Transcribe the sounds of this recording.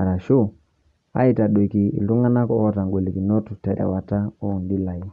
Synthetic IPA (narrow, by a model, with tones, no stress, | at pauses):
a˨ɾa˨ʃo˦˨ | a̰˦i˨ta˨ɗwe˨ki˨ḭ˨lu˦ŋa˦na˦kɔ˦ɔ˦ta˨ŋɡwe˨li˨ki˨nɔ˦tu˨tɛ˨ɾʔɛ̰˨wa˨ta˦o˦˨n˨di˦la˨i˦